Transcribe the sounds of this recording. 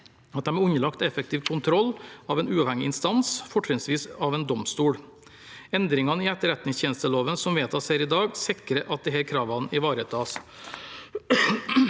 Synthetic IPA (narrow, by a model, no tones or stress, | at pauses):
ɑt̪̚d̪ɛmɛʉɲəlɑkt̪ɛfək̚t̪ʰiːʋkʰʊnt̪ʰɾɔlːɑʋɛːnʉːɑːʋhɛŋɪɪnst̪ɑnsfɔʈɾɪnsʋiːsɑʋɛːnd̪ɔmst̪uːɽ | ɛnd̪ɾɪŋɑnəiːɛt̪ːəɾɛt̪nɪŋsçʰɛːnst̪əloːʋənsɔmʋeːt̪ʰɑːshæːɾɪd̪ɑːɡsɪkɾəʔɑt̪̚d̪ɛɦæːɾkʰɾɑːʋɑnɪʋɑːɾət̪ʰɑːs